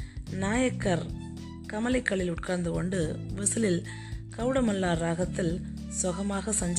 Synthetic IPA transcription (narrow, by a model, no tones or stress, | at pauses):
naːjɐkːɐɾ | kɐmɐlɐɪkːɐɭɪlʊʈ̚kaːnd̪ɯkɔɳɖɯʋɐsɯlɪl | kɐʋɽɐmɐlːaːɾaːɣɐt̪ːɪl | sɔɣɐmaːɣɐsɐɲd͡ʒ